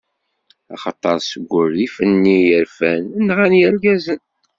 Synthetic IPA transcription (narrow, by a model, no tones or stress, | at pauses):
ɑ̰χɑt̪ˤːɑɾˤsəɡʷːʊɾðifənːijəɾfænənːʁænjæɾɡæzən